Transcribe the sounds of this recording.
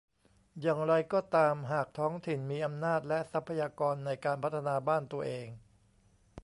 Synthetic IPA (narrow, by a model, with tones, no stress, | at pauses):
jaː˨˩ŋɾa˧jkɔː˥˩t̪aː˧mɦaː˨˩k̚t̪ʰɔː˦˥ŋt̪ʰi˨˩nmiː˧ʔa˧mnaː˥˩t̪̚lɛ˦˥ʔsa˦˥pʰːa˧jaː˧kɔː˧nːa˧jkaː˧npʰa˦˥t̪ʰːa˧naː˧baː˥˩nt̪u˧ɐʔeː˧ŋ